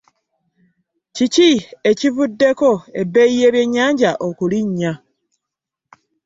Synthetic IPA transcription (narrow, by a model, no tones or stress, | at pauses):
ciciecivudːe̞ko̞e̞bːe̞jije̞βje̞ɲːaːɲɟaʔokuliɲːa